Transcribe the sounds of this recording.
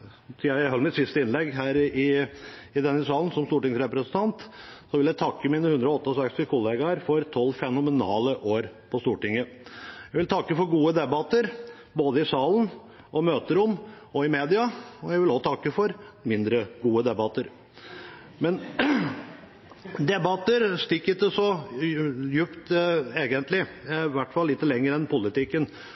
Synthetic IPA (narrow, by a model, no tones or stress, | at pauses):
sʰææɦœlmɪt̪sɪst̪əɪnlɛɡːɦæːɾɪɪd̪ɛnːəsɑːln̩sɔmst̪uːʈɪŋsɾɛpɾɛsn̩t̪ʰɑnt̪sɔʋɪljæɪt̪ʰɑkːəmiːnəhʉnd̪ɾɔɔt̪ːəɔsɛkst̪ɪkʰʊleːɡɑɾfɔɾt̪ʰɔlːfɛnʊmɛnɑ̰ːləʔoːɾpʰɔst̪uːʈɪŋːə | jæɪʋɪlt̪ʰɑkːəfɔɾɡuːəd̪ɛbɑt̪əɾ | boːd̪əɪsɑːln | ʔɔmøːt̪əɾʊm | ɔɪmeːd̪ɪɑɔjæʋɪlɔt̪ʰɑkːəfɔɾmɪnd̪ɾəɡuːəd̪ɛbɑt̪ːəɾ | mɛn | d̪ɛbɑt̪əɾst̪ɪkːət̪̚d̪ɛsɔ | jʉpt̪eːɡənt̪lɪʋæʈːfɑlːɪt̪ːəlɛŋːəɾɛnpʰʊlɪt̪ɪkːən